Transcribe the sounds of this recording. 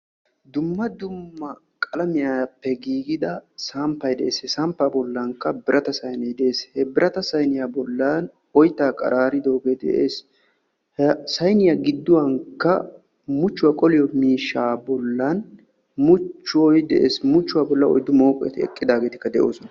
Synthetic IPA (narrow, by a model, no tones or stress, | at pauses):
d̪ʊmːɐd̪ʊmːɐ | kʼɐlɐmɪjapːɛɡiːɡɪd̪ɐsampːɐjd̪ɛʔeːsɛsɐmpːabɔlːɐŋkːɐbɪɾʔɐt̪ɐsɐjnɛjd̪ɛʔeːshɛbɪɾʔɐt̪ɐsɐjnɪjabɔlːan | ɔjt̪ːaːkʼɐ̰ɾʔaːɾɪd̪o̞ːɡed̪ɛ̰ʔeːs | hsɐjnɪjaɡɪd̪ːʊwɐŋkːɐ | mʊt͡ʃːʊwaːkʼɔlɪjɔmiːʃːaːbɔlːɐn | mʊt͡ʃːʊwojd̪ɛʔḛːsmʊt͡ʃːʊwaːbɔlːɐɔ̰jd̪ːʊmo̞ːkʼɔjɛ̰t̪ɪɛ̰kʼːɪd̪aːɡeːt̪ɪ̥kːɐd̪ɛʔo̞ːsɔnɐ